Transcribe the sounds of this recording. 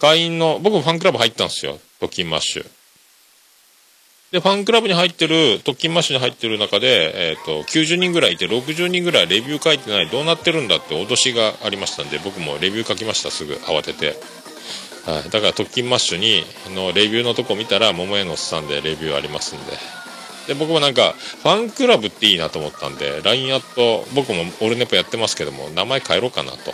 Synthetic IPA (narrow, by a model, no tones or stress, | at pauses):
ɡ̥aiĩnːo̞bo̞kɯmoɸãŋkɯɾabɯ̟hait̪ːãn̥sɨjo̞̰t̪o̞kʲːĩmːa̰ɕːɨ̰ | d̪̥e̞ɸãŋkɯ̟ɾabɯ̟ɲ̟ihait̪ːe̞ɾɯ̟t̪o̞kʲːĩmːaɕːɨɲ̟iɦait̪ːe̞ɾɯ̟nakad̪e̞ːt̪ːo̞kʲɨːʑɨːɲ̟ĩŋɡɯ̟ɾait̪ːe̞ɾo̞k̬ɯ̟ʑɨːɲ̟ĩŋɡɯ̟ɾaiɾe̞bʲɨːkait̪ːe̞naid̪o̞ːnat̪ːe̞ɾɯ̟̃nd̪at̪ːe̞ot̪o̞ɕiɡaːɾʲimaɕi̥t̪and̪ebo̞kɯ̟mo̞̰ɾe̞bʲɨːkakʲimaɕi̥t̪a̰sɨɡɯ̟̰ʔa̰βat̪e̞t̪e̞ | haid̪akaɾat̪o̞kʲːĩmːaɕoɲ̟i | ano̞ɾe̞bʲɨːno̞t̪o̞ko̞ːmʲit̪aɾamo̞mojanosɨ̥sãnd̪e̞̰ɾe̞bʲɨːa̰ɾʲimasɨ̃nd̪e̞̰ | d̪̥e̞bo̞kɯmo̞nãŋka̰ɸãŋkɯ̟ɾabɯ̟t̪ːe̞iːnat̪o̞ːmo̞t̪ːã̰nd̪e̞̰ɾaĩat̪ːo̞bo̞kɯ̟mo̞ːɾɯ̟ne̞pːojat̪ːe̞masɨ̥ke̞d̪o̞̰mo̞̰namae̞kʰae̞ɾo̞kːana̰t̪o